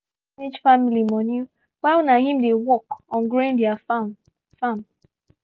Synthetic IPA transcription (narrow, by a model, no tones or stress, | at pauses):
ed͡ʒfamilimɔnu | walnaɦĩmdewɔkɔ̃nɡɾoɪ̃ndiaf | fãm